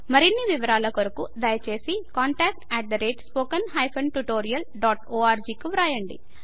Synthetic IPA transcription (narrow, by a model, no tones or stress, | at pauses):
mɐɾinːiʋiʋɐɾaːlɐkoɾɐkud̪ɐjɐt͡ʃe̞ːsikaːɳʈaːk̚ʈɛːʈ̚d̪ɐɾeːʈspoːkɐnɦɐjpʰɐnʈuʈoːɾijɐlɖaːʈoːaːɾd͡ʒiːkuʋɾaːjɐɳɖḭ